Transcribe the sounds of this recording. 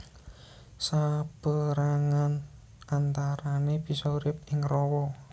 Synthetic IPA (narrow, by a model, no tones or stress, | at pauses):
sab̥əɾaŋan | ant̪aɾaneb̥i̤sɔuɾɪp̚ɪŋrɔwɔ